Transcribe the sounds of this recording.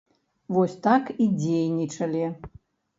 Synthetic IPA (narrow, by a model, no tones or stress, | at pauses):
vɔsʲt̪akid͡zʲejnʲit͡ʂɐlʲi